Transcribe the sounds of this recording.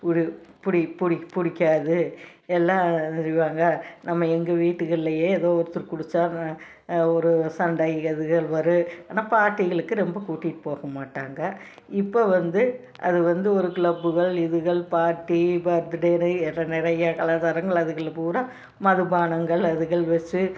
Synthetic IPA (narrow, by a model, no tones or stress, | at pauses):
pʊɽpʊɽɪpʊɽɪpʊɽɪkʲːaːðɯ | ɛlːãːɛɾɪʋaːŋɡɐnɐmːɐɛŋɡɐʋiːʈːɯɣɪɭːɐjeːɛðoːɔɾɯt̪ːɯɾkʊɽɯt͡ʃːaː | ɔɾɯsɐɳɖɐɪɐðɯɣɐɭʋɐɾɯaːnaːpaːʈːɪɣɐɭɯkːɯɾɛmbɐkuːʈːiʈːɯ̥poːɣɐmaːʈːaːŋɡɐ | ɪpːoʋɐnd̪ɯ | ʔɐ̰ðɯʋɐnd̪ɯɔɾɯkɪɭɐbːɯɣɐɭɪðɯɣɐɭpaːɾʈːibɐɾt̪ɯɽeːnɯɛɾɐnɪɾɐjɐkɐlat̪ɐɾɐŋɡɐɭɐðɯɣɐɭpuːɾɐ | mɐðɯbaːnɐŋɡɐɭɐðɯɣɐɭʋɐt͡ʃːɯ